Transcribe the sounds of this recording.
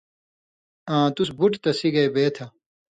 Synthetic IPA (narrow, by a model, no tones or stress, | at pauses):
ãːt̪usbuʈt̪ɐsiɡɐebeːt̪ʰɐ